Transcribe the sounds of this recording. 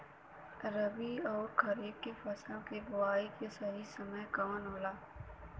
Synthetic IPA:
ɾɐbiɔːɾkʰɐɾiːb̚kefɐsãkeɡʊaːikesɐɦisɐməjkaːnɦoːlaː

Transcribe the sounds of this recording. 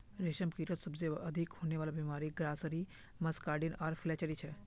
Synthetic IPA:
ɾeʃəmkiɾət̪səbzeəd̪ʱikɦonjeʋalabimaɾiɡɾasəɾi | məskaɾɖinaɾfʰlet͡ʃəɾit͡ʃʰe

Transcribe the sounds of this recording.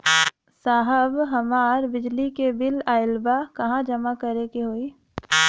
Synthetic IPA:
saːɦəbɦɐmaːɾbɪd͡ʒlikebɪlaːɪlbakɐɦãd͡ʒɐmakəɾekeɦoːi

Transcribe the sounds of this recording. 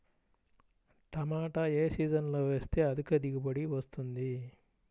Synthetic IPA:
ʈ̪ɐmaːʈɐeːsiːd͡ʒɐnlo̞ːʋe̞ːst̪e̞ːɐd̪ukɐd̪iɡibɐɽiʋɐst̪und̪i

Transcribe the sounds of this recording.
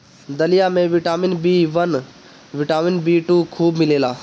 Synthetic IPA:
d̪əlijamẽʋɪʈaːmɪnbiːʋən | ʋɪʈaːmɪnbiːʈuːkʰuːbmɪleːlaː

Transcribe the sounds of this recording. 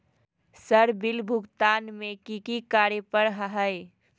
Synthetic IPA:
səɾbɪlbʱʊɡt̪aːnmẽkikikaːɾjəpəɾɦəɦəe

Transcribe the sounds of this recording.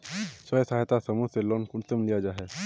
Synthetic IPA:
səjəsaɦjt̪asɐmuselɔːnkʊnsəmlijad͡ʒaːɦɛː

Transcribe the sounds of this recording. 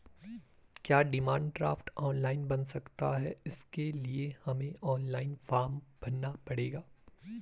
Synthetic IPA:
kjaːɖɪmãːɳɖɖɾa̰ːfʈɔːnlaːɪnbɐnsɐkt̪aɦɛɪskeliehɐmẽʔɔːnlaːɪnfaːɾmb̥ɐnːapɐɽeːɡaː

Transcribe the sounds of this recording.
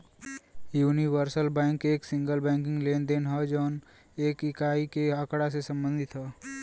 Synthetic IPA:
juːniʋəɾsəlbɛ̃ːŋkeːksɪ̃ŋɡəlbɛ̃ːŋk̬ɪ̃ŋɡleːnd̪eːnɦɛd͡ʒɔːn | eːkɪkaːikeəkɽasesə̃mbə̃nd̪ʱɪt̪ɦɛː

